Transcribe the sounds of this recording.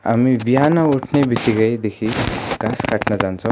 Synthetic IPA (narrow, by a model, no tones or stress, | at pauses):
a̰mibiɦanauʈʰnebʱit̪iɡajd̪ekʰiːɡ̥askaʈnad͡zãnt͡sɔ